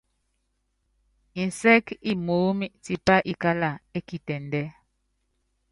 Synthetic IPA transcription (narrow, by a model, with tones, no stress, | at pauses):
i˨n̩˨sɛ˦ki˦˨mo˨˦mi˦ʔti˦pa˦ʔi˦ka˦la˨e˦ki˨tɛ˨ndɛ˦